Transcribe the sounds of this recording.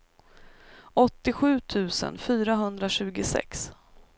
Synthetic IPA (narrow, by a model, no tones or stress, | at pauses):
ɔt̪ːɪɧʉ̟ːt̪ʰʉ̟ːsə̰nfyːɾaɦɵnd̪ɾaɕʉ̟ːɡʊsɛ̰ks